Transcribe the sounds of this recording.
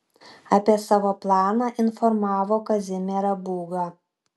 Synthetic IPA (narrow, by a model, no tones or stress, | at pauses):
ɐpʲiɛsɑːʋoːplˠɑːnɑːʔɪnfɔɾmɑːʋoːkɐzʲɪmʲɛɾɐbuːɡɑ